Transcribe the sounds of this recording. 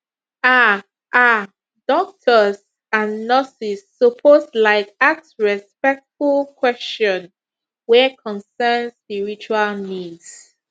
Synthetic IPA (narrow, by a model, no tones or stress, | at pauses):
a | ʔa | dɔk̚tʰəz | ãnːɔsisːɔpʰoslaɪkaksɹɛspɛk̚tfulkʰwɛst͡ʃɔ̃n | wɛkʰɔ̃nsɛnspiɹit͡ʃualnids